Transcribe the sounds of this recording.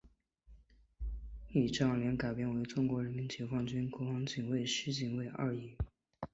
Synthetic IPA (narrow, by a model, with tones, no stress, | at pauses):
ni˥˩ʈ͡ʂɑ˥˩ŋljɛ˧˥nka˨˩ɪpjɛ˥nwe˧˥ɪʈ͡ʂʊ˥ŋkwɔ˧˥ɻə˧˥nmi˧˥nt͡ɕɛ˧˥fɑ˥ŋt͡ɕy˥nkwɔ˧˥fɑ˥ŋt͡ɕi˨˩nwe˥˩ɪʂ̩˥t͡ɕi˨˩nwe˥˧ɪʔa̰˥˩i˧˥